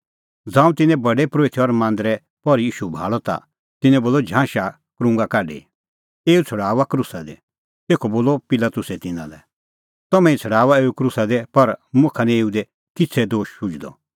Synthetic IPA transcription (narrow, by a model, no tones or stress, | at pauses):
d͡zãːũt̪ɪ̃nɛ̃bɐɖɛpɾoːit̪ʰɔɾmãːnd̪ɾɛ | pɔɾijiːʃubʱa̰ːɭɔt̪a̰ | t̪ɪnɛ̃boːlɔd͡ʒʱãːʃa | kɾʊ̃ŋɡakaːɖḛ | eːut͡sʰɐɽaːʋakɾʊsad̪ɛ̰ | t̪eːkʰɔboːlɔpɪlat̪ʊsɛt̪ɪnã̰lɛ | t̪ɔmɛ̃ĩt͡sʰɐɽaːʋaeːukɾʊsad̪ɛpɐɾmʊ̃kʰanɛ̃eːud̪ɛ | kɪt͡sʰɛd̪oːʃːʊd͡ʒd̪ɔ̰